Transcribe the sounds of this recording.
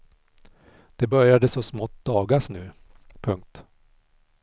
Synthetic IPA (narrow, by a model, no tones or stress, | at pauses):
d̪̥ɛbœɾjad̪əsɔsmɔt̪̚ːd̪ɑːɡaʂnʉ̟ː | pʰɵŋk̚t̪